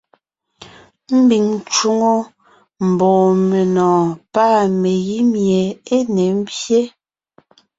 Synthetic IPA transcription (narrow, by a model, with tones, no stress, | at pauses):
m̩˦bi˨ŋ˦t͡ʃu˦ŋo˦ | m̩˨bɔː˨me˨nɔ̃ː˨paː˦˨me˨ɣi˦mje˨e˦ne˨m̩˦bje˦